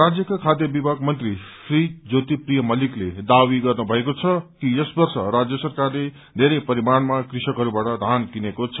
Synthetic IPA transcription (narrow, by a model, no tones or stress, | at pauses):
rad͡zjʌkakʰad̪jʌbibʱaɡmʌnt̪risrid͡zot̪iprijʌmʌlikled̪awiɡʌrnubʱʌekot͡sʰʌkijʌsbʌrsʌ̰ɾad͡zjʌsʌrkarle | d̪ʱeɾʌjpʌɾimanmakrisʌkɦʌɾubaʈʌd̪ʱankinekot͡sʰʌ